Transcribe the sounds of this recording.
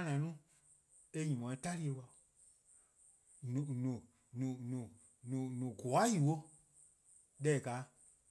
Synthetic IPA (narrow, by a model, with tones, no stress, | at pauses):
nã˨˦nũ˦ | e˦ɲĩ˨mɔ̃˨ĩ˧˦ta˦ɾi˦e˧wa˧˨ | nũ˨nũ˨ | nũ˨nũ˨ | nũ˨nũ˨ɡɔ˨a˦ji˨wo˧ | ɗɛ˦˨ka˨˦